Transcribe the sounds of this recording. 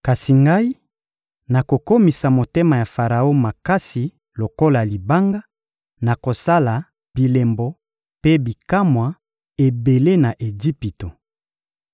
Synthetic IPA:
ka˨si˨ŋɡa˦i˦ | na˨ko˨ko˦mi˨sa˨mo˨te˦ma˨ja˨fa˨ʁa˨o˦ma˨ka˦si˨ | lo˨ko˦la˨li˨ba˦ŋɡa˦ | na˨ko˨sa˦la˨ | b̥i˨le˨mbɔ˨ | pe˦bi˨ka˦mwa˨ | e˨be˨le˦na˨ʔe˨d͡ʒi˦pi˨to˨

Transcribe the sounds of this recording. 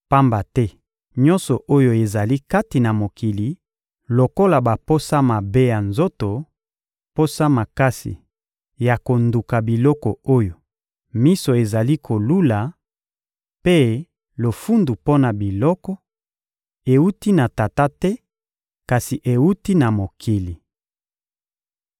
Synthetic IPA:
pa˦mba˨tɛ˦ | ɲɔ̃˦nsɔ˨ʔo˦jo˨e˨za˨li˦ka˦ti˨na˨mo˨kʰi˨li˨ | lo˨ko˦la˨ba˨po˦sa˦ma˨be˦ja˨nzo˦to˨ | po˦sa˦ma˨ka˦sḭ˨ | ja˨ko˨ndu˨ka˨bi˨lɔ˦kɔ˨o˦jo˨ | mi˦so˨e˨za˨li˦kʰo˨lu˦la˨ | pe˦ | lo˨fu˦ndu˨po˦na˨bi˨lɔ˦kɔ˦ | e˨u˦ti˦na˨ta˨ta˦tɛ˦ | ka˨si˨ʔe˨u˦ti˦na˨mo˨kʰi˨li˨

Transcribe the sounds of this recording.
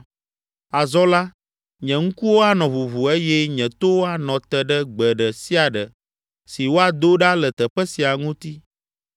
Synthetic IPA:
a˨zɔ˦la˦ | ɲɛ̃˨ŋũ˦ku˦wo˦a˦nɔ̃˨vu˨vu˨e˦jɛ˦ɲɛ̃˨t̪o˦wo˦a˦nɔ̃˨t̪ɛ˨ɖə˦ɡ͡bɛ˨ɖə˨si˦a˨ɖə˨ | si˨wo˦a˨d̪o˦ɖa˦lə˨t̪ə˨ɸɛ˦si˨a˨ŋũ˦t̪i˦

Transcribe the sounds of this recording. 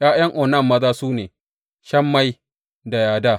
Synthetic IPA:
jaː˦jɐ˦ŋʔɔː˨nɐ˦˨mːɐ˦zaː˦suː˦neː˨ | ʃɐ˦mːa˦j | da˨jaː˨daː˦

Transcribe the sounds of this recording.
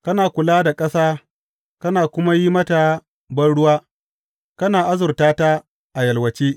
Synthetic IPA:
kɐ˦naː˨kʷʊ˨laː˦da˨kʼɐ˦saː˦ | kɐ˦naː˨kʷʊ˦ma˦ji˦mɐ˦ta˨ | bɐ˦nɽʊ˦waː˦ | kɐ˦naː˨ʔa˦zʊ˨rtaː˦ta˦ | ʔa˨jɐ˨lwɐ˨t͡ʃeː˦

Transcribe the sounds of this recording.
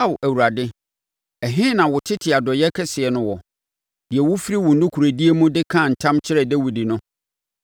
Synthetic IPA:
a˦wʔæ˨wu˨ɾa˨dɪ˦ | ɛ˨ɦɪ̃˦nã˨wʊ˨tʰɪ˦tʰɪ˨a˨dɔ˨jɛ˦kʰɛ˦sɪ˨ɛ˨nʊ̃˦wɔ˨ | d̥ɪ˨ɛ˨wʊ˦fɾi˦wʊ˨n̩˦dʊ˦kʰu˨ɾæ˨di˦e˦mũ˦dɪ˦kʰã˦˨n̩˨tʰã˦mt͡ɕʰɪ˦ɾɛ˨dæ˦wi˨di˨nʊ̃˦

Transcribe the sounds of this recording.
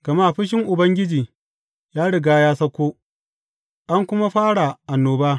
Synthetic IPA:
ɡ̥ɐ˨ma˦˨ɸɪ˦ʃ̬ɪ˦ŋʔʊ˨bɐ˦ŋɡʲɪ˦d͡ʒiː˨ | jaː˦ɽɪ˨ɡaː˦jaː˦sɐ˦kʷoː˦ | ʔa˦ŋkʷʊ˦ma˦ɸaː˦ɽa˨ʔa˨nːoː˨baː˦

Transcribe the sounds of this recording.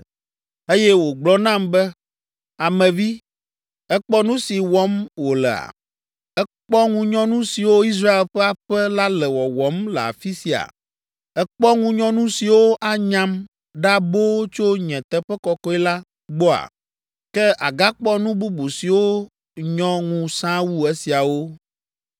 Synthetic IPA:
e˦jɛ˦wo˨ɡ͡blɔ˦nã˦mbɛ˦ | a˨mɛ̃˨vi˦ | ɛ˦k͡pɔ˦nũ˦si˨wɔ˦mwo˨lɛ˨a̰˨ | ɛ˦k͡pɔ˦ŋũ˦ɲɔ̃˦nũ˦si˨wo˦i˦s̬ɾa˦e˨lɸɛ˦a˨ɸɛ˦la˦lɛ˨wɔ˨wɔ˨˦mlɛ˨a̰˨fi˦si˨a̰˨ | ɛ˦k͡pɔ˦ŋũ˦ɲɔ̃˦nũ˦si˨wo˦ʔa˦ɲã˦m | ɖa˦bo˦t͡ʃo˦ɲɛ̃˨t̪ɛ˦ɸɛ˦kɔ˨kɔ˦ɛ˦la˦ | ɡ͡bɔ˦a̰˨ | kɛ˦ʔa̰˨ɡa˦k͡pɔ˦nũ˦bu˦bu˨si˨wo˦ | ɲɔ̃˦ŋũ˦sã˦wu˦e˦si˨a˨wo˦

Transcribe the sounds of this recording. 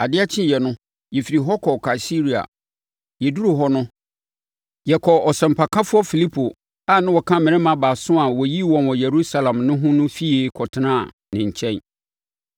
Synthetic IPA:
a˨dɪ˦a˦t͡ɕʰɪ̃˦˨jɛ˨nʊ̃˦ | jɛ˨fi˨ɾi˨ɦɔ˦kʰɔ˨kʰa˨i˨si˦ɾi˨a̰˨ | jɛ˨du˦ɾu˨ɦɔ˦nʊ̃˦ | jɛ˨kʰɔ˨ɔ˨sɛ˨m̩˨pʰa˨kʰã˦fʊ˦ɔ˦fi˨li˦pʰo˨ | a˨nã˦wɔ˨kʰã˦mɪ̃˨nɪ̃˦mã˨baː˨sʊ̃˦a˨wɔ˨ji˦wɔ̃˨nwɔ̃˨jɛ˨ɾu˦sa˦lã˨mnʊ̃˦ɦʊ̃˦nʊ̃˦fi˦e˦kʰɔ˨tʰɪ˨nã̰˦˨ | nɪ̃˨ɲ̩˨t͡ɕʰɛ̃˦n

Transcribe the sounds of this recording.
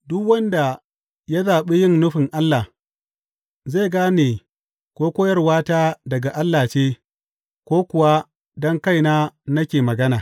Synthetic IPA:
dʊ˦kwɐ˦nda˨ | ja˦zaː˨ɓe˦jɪ˦˨nnʊ˦ɸɪ˨ŋʔa˦lːa˨ | ze˦˨ɡaː˦neː˨ | kʷoː˦kʷoː˦jɐ˦rwaː˦taː˦dɐ˨ɡa˨ʔa˦lːaː˨t͡ʃeː˦ | kʷoː˦kʷʊ˨wa˦ | dɔ˦ŋka˦˨jnaː˦nɐ˦kʲeː˨mɐ˨ɡɐ˦naː˨

